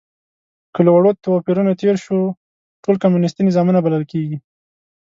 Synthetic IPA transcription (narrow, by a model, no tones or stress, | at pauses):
kəlawaɽot̪awɑpiɾunat̪eɾʃo | ʈolkamjunɪst̪inɪzɑmunabalalkeɡi